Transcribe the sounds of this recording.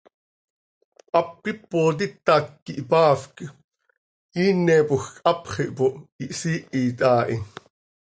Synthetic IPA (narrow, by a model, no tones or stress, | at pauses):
ʔɑp̚qipːoːt̪̬it̪ːɑːkːiʔipɑːfk | iːnːɛːpoxkʔɑpχiʔpoʔiʔsiːʔiːt̪ɑːʔi